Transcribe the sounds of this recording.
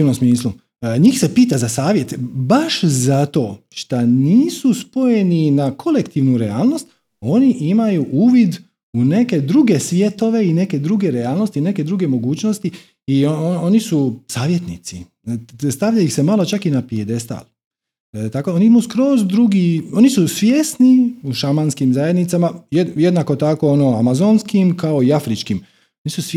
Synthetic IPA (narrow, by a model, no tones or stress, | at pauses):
inomsmiːslu | ɲiːxse̞piːt̪azasaːʋje̞t̪baʃzat̪o̞ːʃt̪aniːsuspo̞je̞ninakʰo̞le̞kt̪iʋnuɾe̞aːlˠno̞st̪ | o̞niʔimajuʔuːʋid̪ | une̞ke̞d̪ɾuɡe̞sʋje̞t̪o̞ʋe̞ine̞ke̞d̪ɾuɡe̞ɾeaːlˠno̞st̪ineke̞d̪ɾuɡe̞mo̞ɡuːt͡ɕno̞st̪i | iooonisusaːʋjet̪nḭt̪si | st̪aʋʎajixse̞maːlo̞t͡ʃakinapied̪e̞st̪a̰l | t̪akooniimuskɾo̞ːzd̪ɾuɡio̞nisusʋjeːsniuʃamanskimzaje̞d̪nit̪samajeje̞d̪nako̞t̪ako̞ono̞amazonskimkao̞iafɾit͡ʃkim | onisus